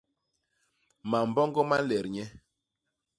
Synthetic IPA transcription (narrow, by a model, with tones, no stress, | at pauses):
ma˨m̩˨bɔ˦ŋɡɔ˦ma˦lɛ˨ɾɲɛ˦